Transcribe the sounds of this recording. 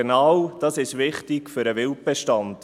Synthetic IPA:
enɑwd̥ɑsɪʃʋɪχtɪkfʏɾəʋɪlp̚bɛʃtɑnd̥

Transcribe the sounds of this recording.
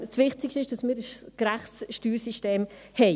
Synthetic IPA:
svɪχt͡sɪkʃtɪʃd̥ɑsmɪːɾdəsɡ̥ɾæχsʃtyːɾsiʃteːmhɛɪ

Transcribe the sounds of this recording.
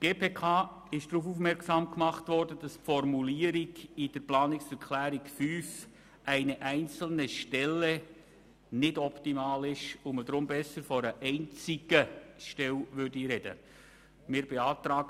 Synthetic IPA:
ɡ̥eːpʰeːkʰɑː | ɪʃd̥ɾuːfuːfmɛɾksɑmkmɑχtʋɔrdədɑspfɔrmuliːəɾiɡid̥əɾplɑːnɪksɛɾkʰlæːɾikfyːf | ʔæɪnəʔæɪnt͡sl̩nəʃtɛlɛ | nɪdɔptimɑːlɪʃʊmədɾʊmbɛsəɾfɔɾəʔɛɪnt͡siɡ̥əʃtɛlʋʏrdiɾɛd̥ə̰ | mɪːɾb̥ɛɑːt̪ɾɑːɡ

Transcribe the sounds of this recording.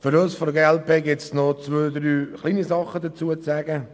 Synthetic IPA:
fʏɾosfɔdəɡeːɛlpeːɡɪtt͡snot͡sʋøːd̪ɾyːχliːnizɑχəd̪ət͡suət͡sæːɡə

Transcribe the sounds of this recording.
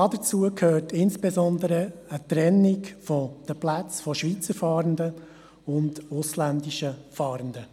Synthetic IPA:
ɑdət͡suəkʰhøːrtʰɪnsb̥ezɔnd̪əɾəət̪ɾɛnːɪkfɔd̥əplæt͡sfɔʃʋit͡səɾfɑːɾəndə | ʊndʊslændiʃəfɑːɾəndə

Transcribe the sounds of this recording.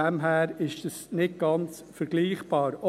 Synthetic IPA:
ɛmɦæːɾɪʃd̥əsnɪt̚ɡ̥ɑnt͡s | fəɾɡ̥liːχb̥ɑːɾɔ

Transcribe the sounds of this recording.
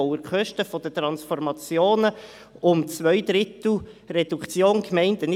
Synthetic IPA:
ʊəɾkʰœʃtəfɔd̥̪ətɾɑnsfɔrmɑt͡sjoːnə | ʊmt͡svœʏd̪ɾɪt̪l̩ | rɛd̥ukt͡sjoːnkmɛɪntənɪ

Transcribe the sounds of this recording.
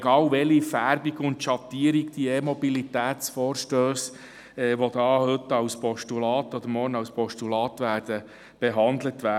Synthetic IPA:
ɡ̥ɑːwʋɛlifæɾbiɡʊntʃɑt̪iːɾikd̥iemɔbilit̪æːt͡sfɔːɾʃtøːs | ɛːʋod̥ɑːhʏtːɑwspɔʃtulɑːt̪ɔd̪əɾmɔːɾnɑwspɔʃtulɑːtʋæːɾd̥ə | b̥eɦɑnd̪lət̪ʋæː

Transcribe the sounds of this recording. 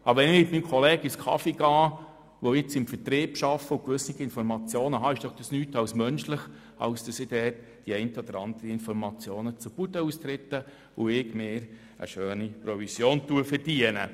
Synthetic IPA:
ʔɑbʋɛnɪmɪtmiːmkʰɔleːɡəɪskʰɑ̰fiɡ̥ɑː | ʋoɪt͡sɪmfərtɾiːpʃɑfːəʊkʋʏsniɡəɪnfɔɾmɑt͡sjoːnəɦɑɪʃd̥ɔχd̥ɑsnyːtɑwsmœnʃləχ | ɑ̰ʊsd̥ɑsɪd̥ɛːt | d̥iɛɪntəɔd̥̪əɾɑnd̥̪əɾəɪnfɔɾmɑt͡sjoːnət͡sub̥udəuːst̪ɾɪt̪ːə | ʊɪɡmɪːɾ | ə̰ʃøːnipɾovisjoːntuəfərd̥iənə̰

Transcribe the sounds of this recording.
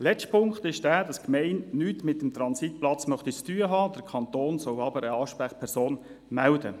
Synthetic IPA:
lɛt͡ʃtpʰʊŋkχt̪ɪʃd̥æːdɑskmɛɪnnyːtmɪtːəmt̪ɾɑnsit̚plɑt͡smœχt̪it͡styːəɦɑːd̥əɾkʰɑnt̪oːnsɔlɑbəɾəɑːʃpɾæχpʰɛɾsoːn | mældə

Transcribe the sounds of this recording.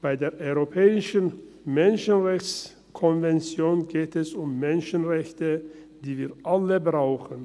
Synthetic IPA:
b̥aɪdeːɐʔɔʏʁopʰɛːɪʃən | mɛnʃənʁɛçt͡s | kʰɔnvɛnt͡sjoːnɡeːtɛsʊmːɛnʃənʁɛçtə | d̥iːviːɐʔaləbʁaʊxən̩

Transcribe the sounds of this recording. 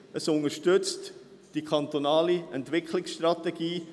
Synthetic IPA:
əsʊnəʃtʏt͡st | d̥ikʰɑnt̪onɑːliɛntʋɪkʰχlɪksʃtrɑt̪ɛɡ̥iː

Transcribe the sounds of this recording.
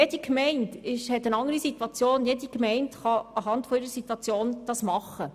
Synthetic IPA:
jed̥ikmɛɪntɪʃhɛtənɑŋəɾisitwɑt͡sjoːnjedikmɛɪntχɑɑɦɑntfɔɪɾəsit̪wɑt͡sjoːnd̥ɑsmɑχːə

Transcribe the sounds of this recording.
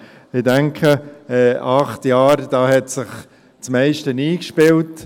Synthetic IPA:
ɪdɛŋkʰəɛːʔɑχtjɑːɾd̥ɑːhɛtsɪχ | t͡smɛɪʃtəniːkʃpɪlt

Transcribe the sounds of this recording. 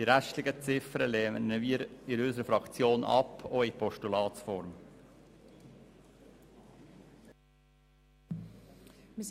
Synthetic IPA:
d̥iɾæʃtlɪɡət͡sɪfəɾəleːməniɾɪɾysəɾəfɾɑkt͡sjoːnʔɑ̰pʰoɪpʰɔʃtulɑːtsfɔɾm | m

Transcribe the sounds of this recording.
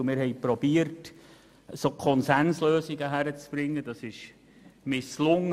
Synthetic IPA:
mɪːɾhɛɪpɾɔb̥iəɾt | soːkʰɔnsænsløːsiɡəɦæɾət͡sb̥ɾɪŋːəd̥ɑsɪʃ | mɪslʊŋ

